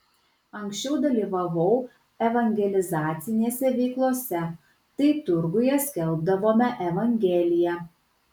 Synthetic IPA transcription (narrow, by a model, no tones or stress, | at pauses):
ɐŋʲksʲt͡ʃʲɛʊd̪ɐlʲiːʋɐʋɐʊ | ɛʋɐŋʲɡʲɛlʲɪzɑːt̪sʲɪnʲeːsʲɛʋʲɛɪklˠoːsʲɛ | t̪ɐɪt̪ʊɾɡʊjɛsʲkʲɛlˠb̚d̪ɐʋoːmʲɛʔɛʋɐŋʲɡʲɛːlʲɪjɛ